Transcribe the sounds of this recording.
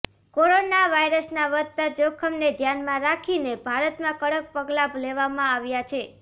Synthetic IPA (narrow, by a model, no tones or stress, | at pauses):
koɾonaʋaiɾəsnaʋəd̪̚t̪ad͡ʒokʰəmned̪ʱjanmãɾakʰinebʱaɾət̪mãkəɽək̚pəɡlableʋamãaʋjat͡ʃʰe